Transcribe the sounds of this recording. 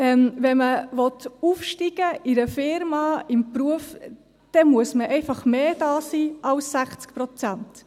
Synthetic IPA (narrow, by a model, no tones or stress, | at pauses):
ɛmʋɛməʋɔt̪ufʃtiɡəɪɾəfɪɾmɑɪmpɾuəf | d̥ɛmuəsməʔɛɪfɑχmeːd̥ɑːsiːʔɑwsːæχt͡skpɾɔt͡sænt